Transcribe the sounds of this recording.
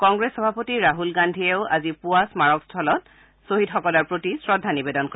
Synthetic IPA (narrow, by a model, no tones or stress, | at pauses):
kɔŋɡɹesxɔbʱapotiɹaɦulɡandʱiɛʊa̰zipuasmaɹɔkstʰɔlɔt̚ | soɦitxɔkɔlɔɹpɹotisɹɔdʱːanibedɔnkɔ